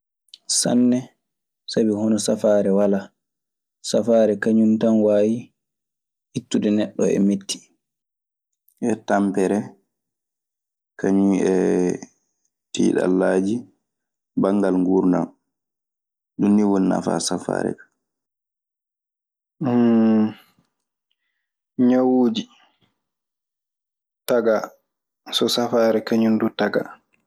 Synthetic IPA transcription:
sa̰nːɛ | sabihɔnɔsafaːɾɛwala | safaːɾɛkaɲuntanwaːji | hitːudɛnɛɗːɔɛ̰metʰːi̥ | ʔɛtampɛɾɛ | kaɲunɛ | tḭːɗa̰lːaːd͡ʒi | baŋɡalŋɡuɾna̰m | ɗunːiwunːa̰fa̰safa̰ːɾɛ̰kḁ | ɲawuːd͡ʒi | taɡa | sɔsafaːɾɛkaɲundutaɡa̰

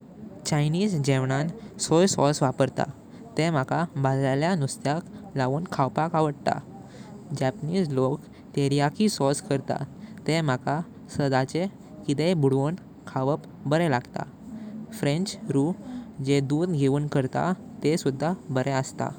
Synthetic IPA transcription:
t͡ɕajniːd͡zd͡ʑeʋɳãnsɔjsɔsʋapəɾt̪a̰ | t̪emakabalaljanust̪jaklaʋuːnkʰawpakaʋəɽt̪a̰ | d͡ʑɛpniːd͡zlok | t̪eɾijakisɔskəɾt̪a̰t̪emaka | səd̪at͡ɕe | kit̪ebuɽʋən | kʰaʋəp | bəɾɛlaɡt̪a̰ | fɾẽnt͡ɕɾud͡ʑed̪uːd̪ɡʱeuːnkəɾt̪a̰ | t̪esud̪ʱːabəɾɛəst̪a̰

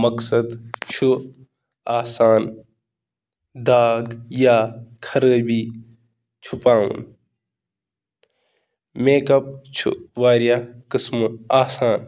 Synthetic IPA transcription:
mɐksɐd̪t͡ʃʰu | aːsaːn | d̪aːɡjaːkʰɐɾəbʱiː | t͡ʃʰupaːṵ̃n | meːkɐp̚t͡ʃʰṵʋaːɾjakɪsmaːsaːn

